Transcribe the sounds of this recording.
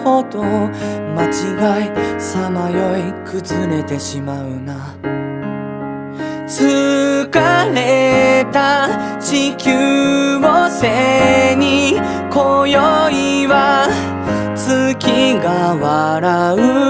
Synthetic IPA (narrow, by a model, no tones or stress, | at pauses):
hot̪omat͡ɕiɡaisamajo̞ikʰɯzɨɾe̞t̪e̞ɕimaɯ̟na | t͡sɨkaɾe̞t̪at͡ɕikʲɨβoseɲ̟i | kojoiβa | t͡sɨkʲiɡaβaɾaɯ̟